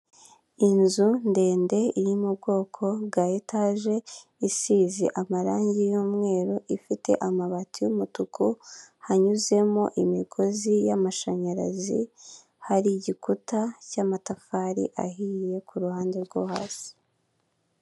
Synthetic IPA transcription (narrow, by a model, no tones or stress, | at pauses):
inzunde̞ːnde̞iɾimubɡo̞ːkʰo̞bɡajetʰaʒe̞ | isiːzḭʔamaɾaːɲɟijuːmŋe̞ːɾuʔifite̞̰ʔamaβatijumutukuhaɲuze̞moʔimiɡo̞zijamaʃaɲaɾa̰zḭ | haɾiɟikutacamatafaɾḭʔa̰ɦiːje̞kʰuɾuhaːnde̞ɾɡoha̰ːsi̥